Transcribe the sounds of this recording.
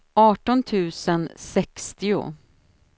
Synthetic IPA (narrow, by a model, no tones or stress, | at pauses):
ʔɑːʈɔnt̪ʰʉ̟ːsənsɛkst̪ɪʊ̰